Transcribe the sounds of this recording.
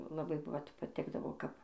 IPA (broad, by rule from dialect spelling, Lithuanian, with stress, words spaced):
lˠɐˈbɐɪ ˈʋɐt pɐˈtʲɪɡdɐʋoː ˈkɐp